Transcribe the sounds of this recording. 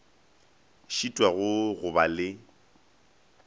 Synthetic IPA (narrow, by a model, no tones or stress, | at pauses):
ʃitʼwaɣʊɣʊbalɪ